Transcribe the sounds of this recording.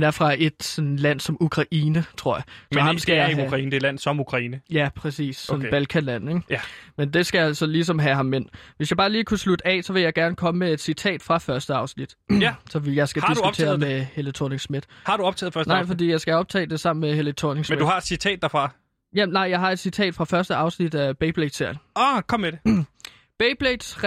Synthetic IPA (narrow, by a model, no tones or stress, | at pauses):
dæɐfʁɑ̈e̝d̥sɔ̽nlæn̰sɒ̽mukʰʁɑ̈ʔiːnət͡sʰʁo̝ɐ̰jɑ̈mɒhɑ̈msɡ̥æjɑukʁɑ̈ḭːnəd̥elæn̰sɒ̽mukʰʁɑ̈iːnəjæpʰʁɛsḭːssɔ̽nb̥ælkʰælæn̰eɡ̥mend̥e̝sɡ̥æjsɒ̽lis̬ɒ̽mɦæɦɑ̈mːen̰ʋe̝s̬jɑ̈ɪbɑ̈ːliːkʰuslud̥ɛsɒ̽ʋe̝ljɑ̈ɪɡ̥æɐnəkʰɒ̽məmee̝d̥sit͡sʰɛ̰ːd̥fʁɑ̈fɶɐsd̥əɑ̈ʊsnid̥sɒ̽ʋijɑ̈ɪsɡ̥æ̥isdɡut͡sʰe̝̰ːɐmehelət͡sʰo̰ne̝ŋsmid̥hɑ̈d̥uɒ̽b̥t͡sʰɛ̰ːð̩ˠfɶɐsnɑ̈ɪ̰fɒ̽d̥ḭːjɑ̈ɪsɡ̥æɒ̽b̥̚t͡sʰɛ̰ːd̥e̝sɑ̈m̰n̩mehelət͡sʰoneŋsmnmd̥uhɑ̈d̥sit͡sʰɛ̰ːd̥ɑfʁɑ̈ | jænɑ̈ɪjɑɪɦɑ̈e̝d̥sit͡sʰɛ̰ːd̥fʁɑ̈fɶɐsd̥əɑ̈ʊsnid̥æb̥eɪb̥led̥seɐ̰kʰɒ̽mːede | b̥eɪb̥led̥s